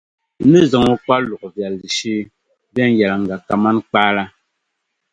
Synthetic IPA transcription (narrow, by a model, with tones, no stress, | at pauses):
nɨ˦zɔ˨ŋu˦kwa˦lu˨kvja˨li˨ʃi˦ | vɛ˦ŋ˦ɡja˨la˨ŋ̩˨ɡa˨ka˨ma˦nk͡pa˦la˦